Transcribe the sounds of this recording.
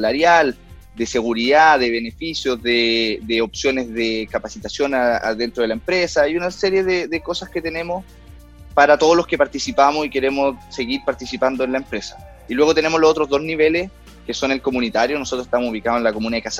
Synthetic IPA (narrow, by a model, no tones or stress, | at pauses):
laɾjal | d̪e̞se̞ɣuɾiðaðeβenefisjozðeðeopsjo̞nezðekapasit̪asjo̞naa̰ðe̞nt̪ɾo̞ð̞elaempɾesaiunaseɾje̞ðeðeko̞sasket̪ene̞mos | paɾat̪oð̞oloskepaɾt̪isipamosike̞ɾe̞mosse̞ɣiɾpaɾt̪isipand̪oenlaempɾe̞sḁ | ilwe̞ɣ̞ot̪e̞nemozlosot̪ɾozðo̞zniβe̞les | keso̞nelko̞munit̪aɾjonosot̪ɾose̥t̪amosuβikaðoenlakomunaekas